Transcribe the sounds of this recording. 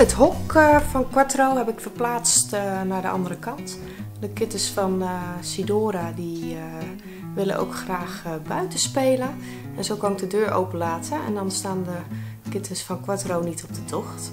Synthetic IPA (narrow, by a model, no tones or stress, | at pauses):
ətɦɔkfɔnkwatrowɦɛpɪkfərplaːt͡stnaɹdə̰ʔɑ̰ndərəkɑnt | dəkɪtəsfɔnəsidoːɾadi | ʋɪlə̰nʔo̰wkxraːxbœɥtəspeːlə | ɛnsowkɔnɪk̚dədøːɹʔo̰wpəlaːtʰəɛ̰ndɔnstaːndə | kɪtʰəsfɔnkwatrownitʰɔb̚dətʰɔxt